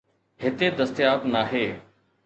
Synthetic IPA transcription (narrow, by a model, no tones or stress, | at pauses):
ɦɪt̪ed̪ɐst̪ɪjaːt̪naːɦeː